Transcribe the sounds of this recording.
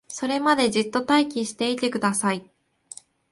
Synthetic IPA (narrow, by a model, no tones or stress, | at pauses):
so̞ɾe̞mad̪e̞ʑɨt̪ːo̞t̪aikʲiɕi̥t̪e̞it̪e̞kɯ̟d̪asai